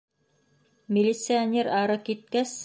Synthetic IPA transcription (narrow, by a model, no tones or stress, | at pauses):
mʲɪlʲit̪sɨanʲeɾɑɾɤkit̪̚kæs